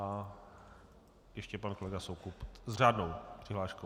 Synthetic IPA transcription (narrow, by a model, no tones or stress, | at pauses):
a | jɛʃcɛpankolɛɡasowkupzr̝aːdnowpr̝̥ɪɦlaːʃko